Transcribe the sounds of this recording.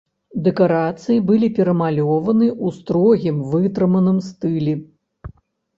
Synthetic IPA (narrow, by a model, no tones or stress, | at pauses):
d̪ɛkaɾat̪sɨjibɨlʲipʲɛɾɐmalʲɔvɐnɨʔust̪ɾɔɣʲimvɨt̪ɾɨmɐnɨmst̪ɨlʲɛ